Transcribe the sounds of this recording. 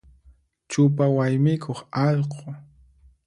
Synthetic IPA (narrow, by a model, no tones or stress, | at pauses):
t͡ʃʊpawajmɪkʰoχɑʎqʰo